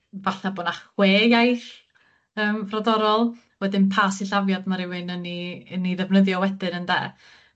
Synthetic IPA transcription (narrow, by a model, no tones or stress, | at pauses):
vaɬnaboːnaχweːjajɬ | əːmfrɔdɔɾɔlˠ | wɛdɪnpʰasiɬavjadmaɾɪwɨnəniniðɛvnəðjɔwɛdɨnəndɛ̰ː